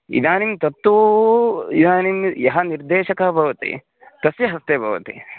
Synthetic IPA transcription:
ḭd̪aːnimt̪ɐt̪ːu | id̪aːnimjɐɦɐniɾd̪eːʃɐkɐbʱɐʋɐt̪ḭ | t̪ɐsjɐɦɐst̪eːbʱɐ̰ʋɐt̪ḭ

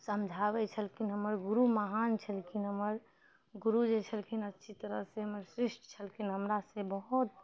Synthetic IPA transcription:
səmd͡ʒʱaβɛt͡ʃʰəlkinɦəməɾɡuɾuməɦant͡ʃʰəlkʰinɦəməɾ | ɡuɾud͡ʒet͡ʃʰəlkʰinətːʃʰit̪əɾəɦseɦəməɾsɾiʃʈt͡ʃʰəlkʰinɦəmɾasebəɦut̪̚

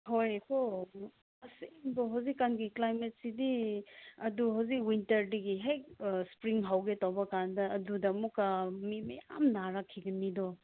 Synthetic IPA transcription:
hojkʰo | ɐsenboɦawzikːanɡiklajmet̚sidi | ɐduɦawzikwintɐɾdiɡiɦejkspɾiŋɦawɡetawbɐkandɐːdudɐmukamimɐja̰mnaɾakʰːiɡɐnidɔ

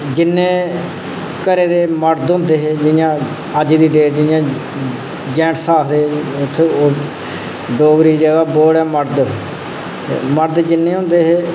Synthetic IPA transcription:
d͡ʒɪnːẽː | kəɾeːd̪eːməɾd̪ɦʊ̃ːnd̪eːɦeːd͡ʒɪjãː | əd͡ʒd̪iːɖeːɾd͡ʒɪjãː | d͡ʒɛ̃ːʈsaːkd̪eːʊt̪ʰːeːoː | ɖoːɡɾiːd͡ʒɛːɡaːboːɽɛːməɾd̪ | məɾd̪d͡ʒɪnːẽːɦʊ̃ːnd̪eːɦeː

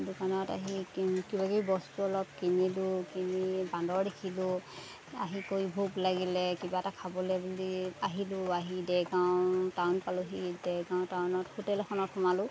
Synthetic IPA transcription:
dʊkanɔta̰ɦikibakujbɔstuɔlɔp̚kinilʊkinibandɔɹdekʰilʊ | a̰ɦikoibʱuklaɡilɛkibatakʰabɔlɛbuliaɦilʊaɦidɛjɡawtawnpaluɦidɛɡaw̃tawnɔthutɛlxʰɔnɔtxɔmalʊ

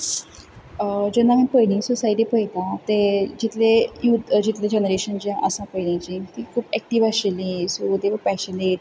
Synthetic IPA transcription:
d͡ʑenːamənpəjnĩsusaiʈipəjt̪ãt̪ed͡ʑit̪lejud̪d͡ʑit̪led͡ʑenəɾeɕənd͡ʑãʔəsãpəjɽĩt͡ɕĩt̪iːkʰuːbɛk̚ʈiʋaɕelĩsoud̪eʋəpɛɕənet̪̚

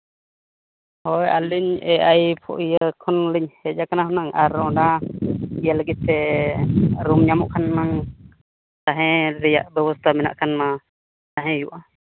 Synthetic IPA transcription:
hɔja̰liɲɛajpʰɔ̰ʔijəkʰɔnliɲhɛd͡ʒakanahɔnaŋʔa̰ɾɔna | ijaləɡit̪ːɛ | ɾumɲamuʔkʰanmaŋ | t̪aɦɛ̃ɾɛja̰ʔbɛbɔst̪ʰamɛna̰ʔkʰanma | t̪aɦɛ̃juʔa

